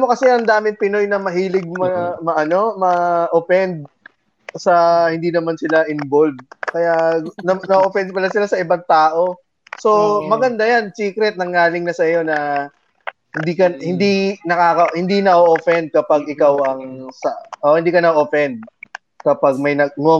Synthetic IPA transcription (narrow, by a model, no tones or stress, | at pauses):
mokɐsɛʔɐŋd̪aːmɪt̪pɪno̞jnɐmɐɦiːlɪɡ̚mɐmɐʔɐno̞mɐʔofɛnd̪̚ | sɐhɪnd̪inɐmansɪlaʔɪnbolv̚kɐjanɐnɐoʔofɛnd̪̚pɐlasɪlasɐʔɪbaŋt̪aːʔo̞ | so̞mɐɡɐnd̪ajansiːkɾɛt̪̚nɐŋːaːlɪŋnɐsɐjo̞nɐ | hɪnd̪iːkɐhɪnd̪inɐkaːkɐhɪnd̪inɐʔoʔofɛnd̪̚kɐpaɡʔɪkawʔɐŋsɐʔohɪnd̪iːkɐnɐʔʔofɛnd̪̚ | kɐpaɡ̚mɐjnɐŋo